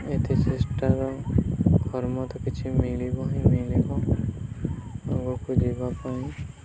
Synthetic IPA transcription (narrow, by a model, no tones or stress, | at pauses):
et̪ʰisʰesʈaɾɔ | ɡʱɔɾmɔt̪ɔkit͡ʃʰimilibɔɦimilibɔ | aɡɔkud͡ʒibapaĩ